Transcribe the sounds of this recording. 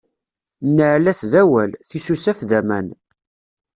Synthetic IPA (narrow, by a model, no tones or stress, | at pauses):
nːəʕlæθðæwælθisusæfðæmæn